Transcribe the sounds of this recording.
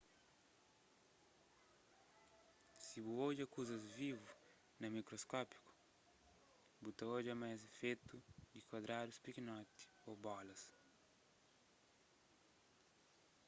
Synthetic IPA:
sibuod͡ʒɐkuzɐzvivu | nɐmikɾoskɔpi̥ku̥ | but̪ɐod͡ʒɐmajzefet̪ud̪ikwɐd̪ɾad̪uspikinɔt̪i̥obɔlɐs

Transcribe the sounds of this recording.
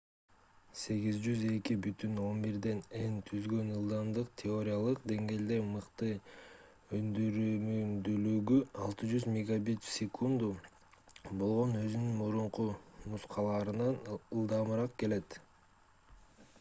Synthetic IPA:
se̞ɡizd͡ʒyze̞kibyt̪yno̞nbiɾd̪e̞ne̞nt̪ʰyzɡø̞nɯlˠd̪ɑmd̪ɯqt̪ʲʰɪo̞ɾʲɪjalˠɯq̚d̪e̞ŋɡe̞ːld̪e̞mɯqt̪ɯ | ønd̪yɾymymd̪ylyɡyɑlˠt̪ɯd͡ʒyzmʲɪɡabit̪sʲɪkʰund̪u | bo̞lˠʁo̞nø̞zynynmuɾuɴqumusqʰɑlˠɑːɾɯnɑnɯlˠd̪ɑmɯɾɑq̚ke̞le̞t̪

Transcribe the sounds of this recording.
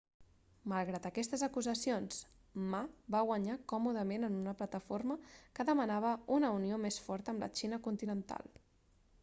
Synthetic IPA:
məlˠɣɾat̪əkɛst̪əzəkuzəsionz̥ | mabaɣwəɲakɔmuðəmenənunəplət̪əforməkəðəmənaβ̞əunəuniomesfɔɾt̪əmlʔə̰t͡ʃinəkunt̪inənt̪a̰lˠ

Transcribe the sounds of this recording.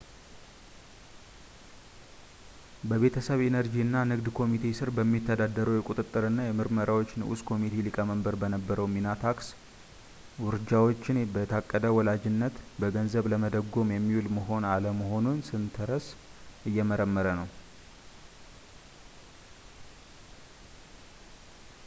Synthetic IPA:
bəβe̞t̪ʰəsəβe̞nəɾd͡ʒiɨnːanɨɡd̪kʰo̞mit̪ʰe̞sɨɾbəmːit̪ʰːəd̪ad̪əɾəwjɛkʼut̪ʼɨt̪ʼːɨɾɨnːajɛmɨɾməɾawot͡ʃːnɨʔṵskʰo̞mit̪ʰe̞likʼəməmbəɾbənəbːəɾəwminat̪ʰaks | wʊɾɨd͡ʒawo̞t͡ʃːɪnbət̪ʰakʼːəd̪əwɔlad͡ʒɪnːət̪bəɡənzəβləməd̪əɡːo̞mjɛmːiwulməɦo̞naləməɦo̞nunsɨnt̪ʰəɾəsʔɨjːɛməɾəmːəɾənəw

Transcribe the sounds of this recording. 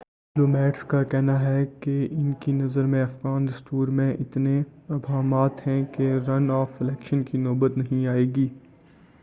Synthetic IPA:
ɖɪploːmɛːʈskakɛɦnaɦɛkeɪnkinɐzəɾmẽɐfɣaːnɾɐst̪uːɾmẽʔɪt̪neɐbʱaːmaːt̪hɛ̃keɾɐnɔːfɪlɛːkʃənkinɔːbət̪nɐɦĩaːeːɡiː

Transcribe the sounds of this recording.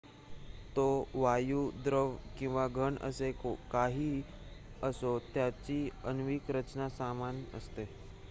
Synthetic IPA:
t̪oʋajuːd̪ɾəʋkĩw̃ʋaɡʱəɳə̰sekokaɦiː | əsot̪jat͡ɕiənʋikɾət͡ɕnasamanə̰st̪e

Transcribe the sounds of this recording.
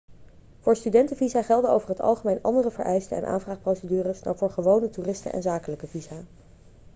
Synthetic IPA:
v̥ʊːɹstydɛntəvizaːχɛlˠdəo̰wvəɹɦətɑ̰lˠχəmejnʔɑ̰ndərəvə̰ɹʔɛjstəɛ̰nʔa̰ːnvraːχprowsədyːrəsna̰wvʊːɹχəʋownətuːrɪstə̰ʔɛ̰nzaːkələkəvizaː

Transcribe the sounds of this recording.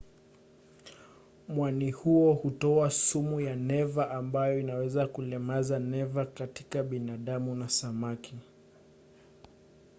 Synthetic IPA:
mwanihuɔhutɔasumujanɛvaʔambajɔinawɛzakulɛmazanɛvakatikaɓinaɗamunasamakʰi

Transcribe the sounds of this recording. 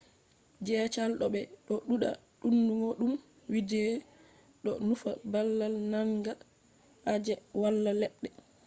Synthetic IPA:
d͡ʒɛːt͡ʃalɗɔɓɛɗɔɗuɗa̰ | ɗunːumoɗum | widɛː | ɗɔnufabalːalnaŋɡa | ʔad͡ʒɛwalːalɛɗːɛ

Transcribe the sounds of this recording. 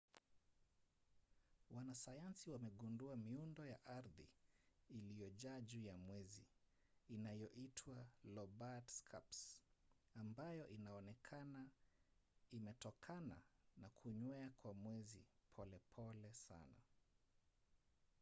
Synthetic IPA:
wanasajansiwamɛɠunduamiundɔjaʔaɾðḭː | lijɔʄaʄujamwɛziː | najɔʔitʰwalɔbatskʰa̰ps | ambajɔʔinaɔnɛkʰana | imɛtɔkʰana̰nakʰuɲwɛakwamwɛzipʰɔlɛpʰɔlɛsa̰na̰

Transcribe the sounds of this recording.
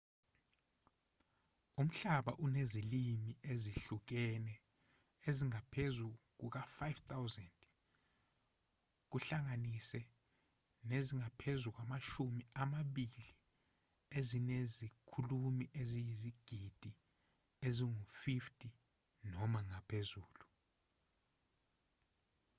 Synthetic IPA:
um̩ɬaɓa̰ʔunezilimiʔeziɬuk̬ɛnɛ | eziŋapʰezuk̬uk̬afajvt̪ʰawzɛnd | k̬uɬaŋanisɛ | neziŋapʰezuk̬wamaʃumiamaɓili | ezinezikʰulumiʔezijiziɡ̥ʱid̥ʱi | eziŋufiftʰʼi | nɔmaŋapʰezuːlu

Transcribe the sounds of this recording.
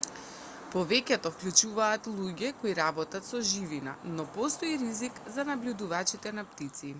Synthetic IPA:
pɔvɛcɛt̪ɔfklʲut͡ʃuvaːt̪lˠuɟɛkoiɾabɔt̪at̪sɔʒivina̰nɔpɔst̪ɔiɾizikzanablʲud̪uvat͡ʃit̪ɛnapt̪it̪si

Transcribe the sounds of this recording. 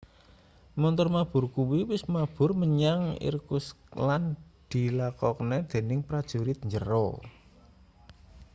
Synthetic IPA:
mɔnt̪ɔrmab̥ʊ̤rkuwiwɪsmab̥ʊ̤rməɲaŋḭrkusland̪̥i̤lakɔkənɛd̪̥e̤nɪŋpɾad̥ʒ̥ṳɾɪt̪̚ɲd͡ʒəɾɔ̰

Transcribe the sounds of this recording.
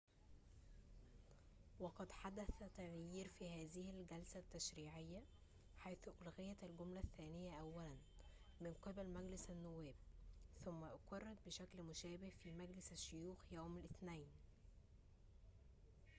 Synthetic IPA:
wɑqɑd̪ħad̪æθæt̪æɣjiːɾfiːhæːðɪhɪlɡælsæt̪ːæʃɾiːʕejːæ | ħajθʊʔlɣɪjːæt̪ælɡomlæθːæːnɪjːæʔæwːælæn | mɪnqɨbælmæɡlɪsænːʊwːæːb̚θʊmːæʔqɑrˤːɑt̪̚bɪʃæklmʊʃæːbɪhfiːmæɡlɪsæʃːojuːxjæːmælʔɪθnæjn

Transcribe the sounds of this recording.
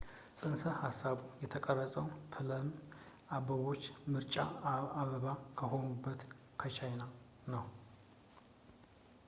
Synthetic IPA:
sʼɨnsəhasːaβujɛt̪ʰəkʼərːəsʼəwfʰɨləm | ʔabəβo̞t͡ʃːmɨɾt͡ʃʼaaβəβakʰəɦo̞nubːət̪ | kʰət͡ʃʰajna | nəw

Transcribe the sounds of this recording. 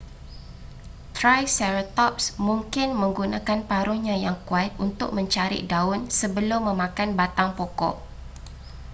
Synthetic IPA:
t̪ɾajsɛɾot̪ɔp̚smuŋkɪnmə̃ŋɡunãkanpaɾuhɲãjaŋkuat̪̚unt̪ʊk̚mə̃ɲt͡ʃaɾḭʔdaʊnsəbəlʊmːə̃mãkanbat̪aŋpɔkɔ̰ʔ

